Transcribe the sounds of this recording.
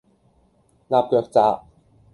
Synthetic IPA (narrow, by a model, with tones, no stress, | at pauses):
laː˨˧p̚kœː˨˧k̚t͡saː˨˧˥ʔ